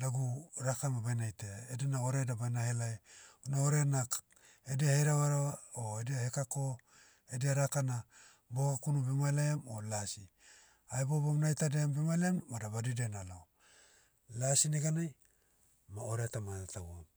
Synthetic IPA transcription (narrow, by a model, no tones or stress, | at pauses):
daɡuɾakamabajnajteaedenaoɾedabajnahelajnaoɾeanak | ediaheɾaβaɾoaoediahekako | ediaɾakana | bokakunubemajlaamo̰lasi | aebobomnajtadeambemajleamːadaβadidenalo | lasiniɡanaj | maoɾetamanatabuam